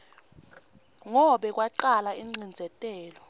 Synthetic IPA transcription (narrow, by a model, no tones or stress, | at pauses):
ŋɔɓɛk̬ʼwaǃalaiŋ͡ǀind͡zʱɛtʼɛːlɔ